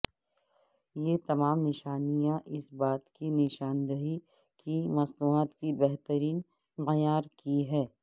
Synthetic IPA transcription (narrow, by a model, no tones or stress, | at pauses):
jet̪ɐmaːmnɪʃaːnijãʔɪsbaːt̪kinɪʃaːnd̪əɦi | kimɐsnuːaːt̪kibɛɦt̪əɾiːn | mɛjaːɾkiɦɛː